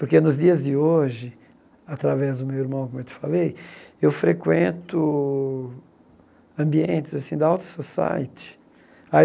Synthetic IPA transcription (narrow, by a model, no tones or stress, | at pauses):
pʊɾkenʊzd͡ʒiɐzd͡ʒɪoʒɪ | at̪ɾavɛzd̪ʊmewiɾmɐ̃w̃kõmewt̪ɪ̥falejewfɾekwẽnt̪ʊ | ɐ̃mbiẽnt̪ɪzasĩd̪aawt̪ʊ̥sosa̰jt͡ʃɪ̥ | a